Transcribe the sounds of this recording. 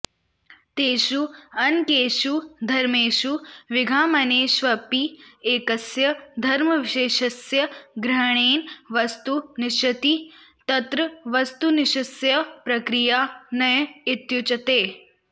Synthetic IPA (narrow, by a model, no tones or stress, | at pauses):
t̪eːʃuɐnkeːʃud̪ʱɐɾmeːʃuʋɪɡʱaːmɐneːʃʋɐpieːkɐsjɐd̪ʱɐɾmɐʋɪʃeːʃɐsjɐɡɾɐɦɳ̃eːnʋɐst̪unɪʃɐt̪it̪ɐt̪ɾɐʋɐst̪unɪʃɐsjɐpɾɐkɾijaːnɐjɪt̪jut͡ʃɐt̪eː